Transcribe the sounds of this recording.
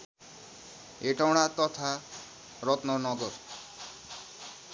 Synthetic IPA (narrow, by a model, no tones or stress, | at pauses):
eʈawɽ̃at̪ɔt̪ʰa | ɾɔt̪nɔnɔɡɔɾ